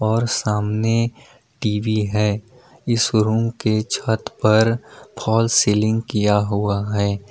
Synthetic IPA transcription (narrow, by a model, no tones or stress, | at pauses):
ɔːɾsaːmne | ʈiːʋiɦɛː | ɪsɾũːmket͡ʃʰət̪pɐɾpʰɔːlseːlɪ̃ŋɡkijaɦuaɦɛː